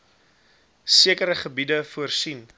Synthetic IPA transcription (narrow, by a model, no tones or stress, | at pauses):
siəkəɾəχəbidəfuərsin